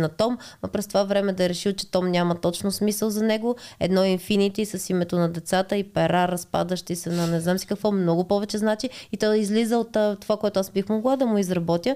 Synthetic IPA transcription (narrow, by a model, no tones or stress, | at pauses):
nɐt̪ɔmɐpɾɛst̪ovavɾɛmɛd̪ɐɛɾɛʃilˠt͡ʃɛ̥t̪ɔmnʲamɐt̪ɔt͡ʃnosmisəlˠzɐnɛɡoɛ̰d̪nɔinfinit̪isɐsimɛt̪onɐd̪ɛt̪sat̪əipɛɾaɾɐspa̰d̪əʃt̪isɛnɐnɛznamsi̥kɐkvɔmnɔɡʊpɔvɛt͡ʃɛznat͡ʃiit̪ɔizlizəot̪ːt̪ːovakoɛt̪ʊazbixmoɡlˠad̪ɐmʊizɾɐbɔt̪jə